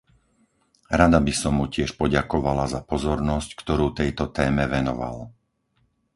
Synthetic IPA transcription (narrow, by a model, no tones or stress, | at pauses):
ɾad̪abisɔmːucɪɛʃpɔɟakɔʋalazapɔzɔɾnɔsckt̪ɔɾuːt̪ɛjt̪ɔt̪ɛːmɛʋɛnɔ̰ʋa̰l